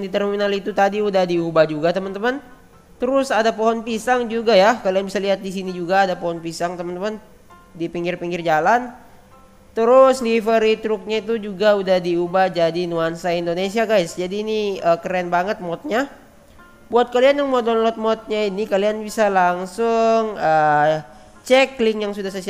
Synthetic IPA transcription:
dit̪ərmminalit̪ut̪adiudahdiubahd͡ʒuɡat̪əmənt̪əman | t̪əɾʊsadapoɦɔnpisaŋd͡ʒuɡajakalianbisaliɦat̪̚disinid͡ʒuɡaːdapoɦɔnpisaŋt̪əmənt̪əman | dipiŋɡɪrpiŋɡɪrd͡ʒalan | t̪əɾʊslifəɾit̪ɾʊk̚ɲait̪̬ud͡ʒuɡaudahdiubahd͡ʒadinuansaindonesiaɡajsd͡ʒadiːniəkəɾɛnbaŋət̪̚mɔt̪̚ɲa | buat̪̚kalianjaŋmɔdɔnlɔt̪̚mɔt̪̚ɲainikalianbisalaŋsʊŋəː | t͡ʃɛklɪŋjaŋsudahsasi

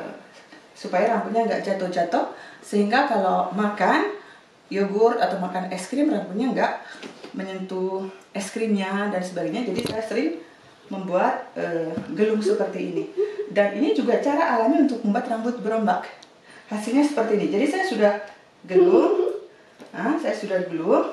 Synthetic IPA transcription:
supajaɾambʊt̪̚ɲaəŋɡa̰ʔd͡ʒat̪ɔhd͡ʒat̪ɔsəɦiŋɡakalawmakan | joɡʊrat̪awmakanɛskɾɪmramput̪ɲaəŋɡaʔməɲənt̪uʔɛskɾimɲadansəbaɡajɲad͡ʒadisajasəɾɪŋ | məmbuat̪̚ʔəɡəlʊŋsəpərt̪iinidaninid͡ʒuɡat͡ʃaɾaʔːlamiunt̪ʊk̚məmbuat̪rambʊt̪̚bəɾombak | hasilɲasə̥pərt̪iːnid͡ʒadisajasudah | ɡəlʊŋ | əhsajasudahɡəlʊŋ

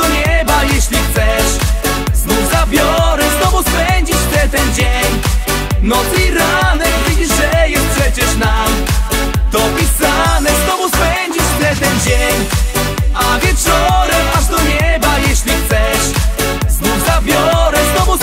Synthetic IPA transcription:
ɔɲɛbajɛɕlʲixt̪sɛʂ | znuvzabʲjɔɾɛznɔvuspɛɲd͡ʑit͡ɕft̪ɛt̪ɛnd͡ʑeɲ | nɔt̪iɾanɛkvʲid͡ʑiʂʐɛjɛst̪̚pʂɛt͡ɕɛʂnam | t̪ɔpʲisanɛznɔvuspɛɲd͡ʑit͡ɕft̪ɛt̪ɛnd͡ʑeɲ | avʲjɛt͡ʂɔɾɛmʔaʐd̪ɔɲɛbajɛɕlʲixt̪sɛʂ | znuvzabʲjɔɾɛznɔvu

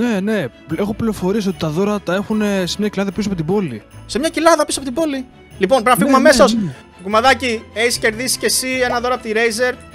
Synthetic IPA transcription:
ne̞ne̞pe̞xopliɾofo̞ɾies̬io̞t̪it̪ɐðo̞ɾɐt̪ɐe̞xunese̞mɲɐkcilɐðɐpisuɐpo̞t̪ibo̞lise̞mɲɐcilɐðɐpisuoɐpot̪ibo̞li | lipo̞npɾinɐfiɣumɐme̞sos | kumɐðɐcie̞çisce̞ɾðisi̥ce̞sie̞nɐðo̞ɾɐpo̞t̪iɾe̞jze̞ɾ

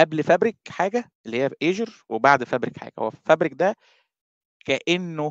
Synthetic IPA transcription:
ʔæblfæbɾekħaːɡæʔelːihejːæʔeːʒeɾwebaʕd̪fæbɾekħa̰ːɡ̥æho̰wːæfæbɾek̚d̪æ | kæʔenːo

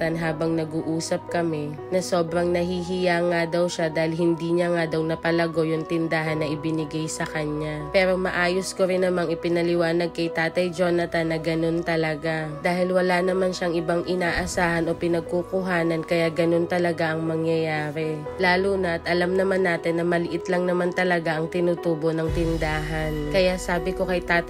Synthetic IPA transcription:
t̪ɐnɦaːbɐŋnɐɡuʔuːsɐp̚kɐmɛ | nɐso̞ːbɾɐŋnɐɦiɦɪjaŋad̪ɐwʃad̪aːhɪlɦɪnd̪iːɲɐŋad̪ɐwnɐpɐlɐɡo̞jʊŋt̪ɪnd̪aɦɐnːɐʔɪbɪnɪɡajsɐkɐɲapɛːɾo̞mɐʔaːjoskoɾɪnːɐmaŋɪpɪnɐlɪwaːnɐɡ̚kɐjt̪aːt̪ɐjd͡ʒoːnɐt̪ɐnːɐɡɐno̞nt̪ɐlɐɡad̪aːɦɪlwɐlanɐmanʃaɐŋʔɪbaŋʔɪnaːʔɐsaːhɐno̞pɪnɐɡ̚kukʊɦaːnɐnkɐjaɡɐno̞nt̪ɐlɐɡaʔɐŋmɐŋjɐjaːɾɛ | laːluːnɐʔɐt̪ʔɐlamnɐmanːaːt̪ɪnːɐmɐlɪʔɪt̪lɐŋnɐmant̪ɐlɐɡaʔɐŋt̪ɪnuːt̪uːbo̞nɐŋt̪ɪnd̪aːɦɐnkɐjasaːbɪko̞kɐjt̪aːt̪

